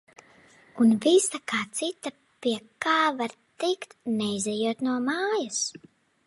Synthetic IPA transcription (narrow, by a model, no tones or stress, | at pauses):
unvisakaːt̪sit̪a | piɛkaːvaɾt̪ikt̪nɛjzɛjuɔt̪nuɔmaːjas